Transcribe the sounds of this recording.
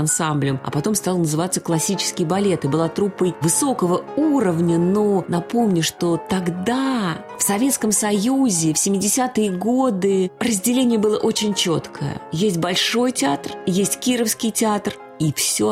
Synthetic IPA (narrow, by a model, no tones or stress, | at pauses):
ɐnsamblʲəmɐ̰pɐt̪o̞mst̪alˠnəzɨvat̪sːəklˠɐsʲit͡ɕɪ̥skʲɪjbɐlʲe̞t̪ɨbɨlˠat̪ɾupːəjvɨso̞kəvəuɾəvnʲəno̞nɐpo̞mnʲʊʂt̪o̞t̪ɐɡd̪a | fsɐvʲe̞t̪skəmsɐjuzʲɪfsʲɪmʲːɪdʲɪsʲat̪ɨjəɡo̞d̪ɨrəzʲdʲɪlʲenʲɪjəbɨlˠəʔo̞t͡ɕɪnʲt͡ɕo̞t̪kʰə̰jə̰jesʲt̚ʲbɐlʲʂo̞jtʲɪat̪rjesʲtʲkʲiɾəfskʲɪjtʲɪat̪r | ifsʲo̞